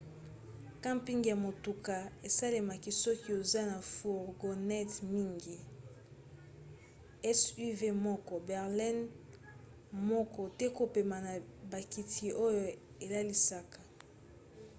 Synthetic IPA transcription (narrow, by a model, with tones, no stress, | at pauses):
kã˦mpi˦ŋɡja˨mo˨tu˨ka˨e˨sa˦le˨ma˨ki˦sɔ˦ki˦o˨za˦na˨fu˨ʁɡo˨nɛ˦tmi˦ŋɡi˨ | ɛ˦su˦ve˦mɔ˦kɔ˨bɛ˨ʁlɛ˦n | mɔ˦kɔ˨tɛ˦ko˨pe˨ma˨na˨ba˨ki˨tʰi˨ʔo˦jo˨ | e˨la˦li˨sa˦ka˨